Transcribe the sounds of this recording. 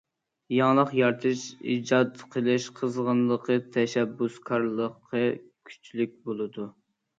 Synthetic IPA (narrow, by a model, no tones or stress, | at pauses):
jɑŋlˠəqjɑɾt̪ʰɨʃḭd͡ʒɑd̪qʰəlˠɨʃqʰəzʁənlˠəqət̪ʰɛʃɛbːuskʰɑɾlˠəqʰːəkʲʰy̥t͡ʃʰlyk̚ʲbolˠɨd̪u